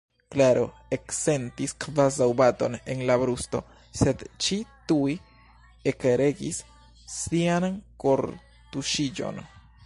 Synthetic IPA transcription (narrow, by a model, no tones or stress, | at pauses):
klaɾo | ekse̞ntiskvazawbato̞ne̞nlabɾusto̞̰ | se̞d̪t͡ʃituj | ekeɾe̞ɡḭsː | ianko̞ɾ | t̪uʃid͡ʒo̞̰n